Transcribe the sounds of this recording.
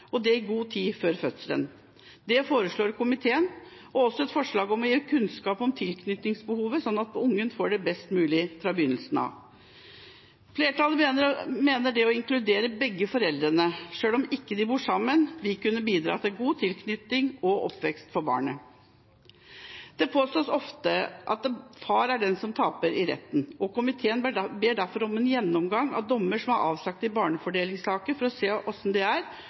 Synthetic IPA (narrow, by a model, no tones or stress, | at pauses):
ɔd̪ɛɪɡuːt̪ʰiːføːɾfœt̪sələ̰n | d̪ɛfoːɾəʂɭoːɾkʊmɪt̪ʰeːən | ɔɔsːɔɛt̪fɔʂɭɑːɡɔmɔjeːkʰʉnskɑːpɔmt̪ʰɪlkʰnʏt̪nɪŋsbəhuːʋəsɔnːɑt̪̚ʊŋːənfoːɖɛbɛst̪mʉːlɪfɾɑːbəjʏnəlsənɑ̰ʋ | fleːʈɑləəmeːnəɖɛɔɪŋklʉd̪eːɾəbɛɡːəfɔɾɛld̪ɾənəʂøːlɔmɪkːəd̪ɪbuːʂɑmːənʋɪkʉnːəbiːd̪ɾɑ̰ːt̪ʰɪlɡuːt̪ʰɪlkʰnʏt̪ɪŋɔʔɔ̰pːʋɛkst̪fɔɾbɑ̰ːɳə | d̪̥ɛpʰoːst̪oːsɔft̪əʔɑt̪̚fɑːɾæɖɛnsɔmt̪ʰɑːpəɾɪɾɛ̰t̪ːn̩ɔkʊmɪt̪ʰeːənbeːɖæɾfɔɾɔmɛnjɛnːɔmɡɑŋɑ̰ʋd̪ɔmːəʂɔmhɑɾɑ̰ːʋslɑk̚t̪ɪbɑːɳəfɔɖeːlɪŋsɑːkəfɔɾɔseːʔɔsɔmd̪ɛæɾ